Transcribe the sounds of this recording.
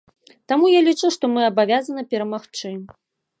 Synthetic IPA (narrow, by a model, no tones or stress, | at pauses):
t̪amujalʲit͡ʂɨwʂt̪ɔmɨɐbavʲazɐnɐpʲɛɾɐmaxt͡ʂɨ